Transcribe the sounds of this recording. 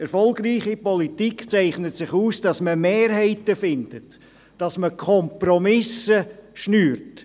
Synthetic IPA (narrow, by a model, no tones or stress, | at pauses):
ɛɾfɔlɡriːχipɔlitikt͡sæɪχnətsɪχuːsd̥ɑsməmeːɾɦɛɪtəfɪnd̥ət | d̥ɑsməkʰɔmprɔmɪsəʃnyːɾt